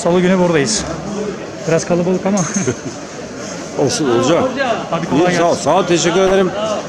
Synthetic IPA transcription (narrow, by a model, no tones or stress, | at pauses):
salˠuɟynyvoɾd̪ajɯz̥ | b̥iɾaz̥kʰalˠabalˠɯkama | osuod͡ʒahab̪ikʰoiaasaːt̪ʰeʃɛcʲːyɾe̞d̪eɾim